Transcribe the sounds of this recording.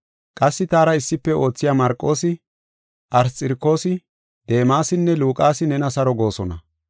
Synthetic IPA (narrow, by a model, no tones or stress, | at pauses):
kʼɐsːɪt̪aːɾɐɪsːɪpːɛo̞ːt͡sːɪjaːmɐɾkʼːo̞ːsɪ | ʔɐɾt͡sʼɪɾkːo̞ːsɪ | d̪̥e̞ːmaːsɪnːɛluːkʼaːsɪnɛnɐsɐɾɔɡo̞ːsɔnɐ